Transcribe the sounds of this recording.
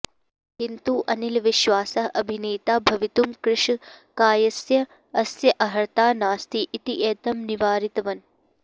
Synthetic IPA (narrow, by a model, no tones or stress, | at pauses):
kint̪uʔɐnilʋiʃʋaːsɐʔɐbʱineːt̪aːbʱɐʋit̪umkɾɪʂkaːjɐsjɐ | ɐsjɐʔɐɦɐɾt̪aːnaːst̪iʔit̪iʔeːt̪ɐmniʋaːɾit̪ɐʋɐn